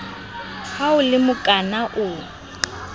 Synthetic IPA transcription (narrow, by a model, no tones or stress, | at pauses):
haʊlɪmʊkʼanaʔʊ